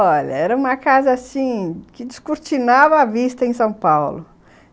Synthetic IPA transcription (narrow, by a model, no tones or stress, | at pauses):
ɔʎɐ̰ɛɾɐũmɐkazɐasĩkɪd͡ʒiskuɾt͡ʃinavɐːvist̪ɐẽj̃sɐ̃w̃pawlʊ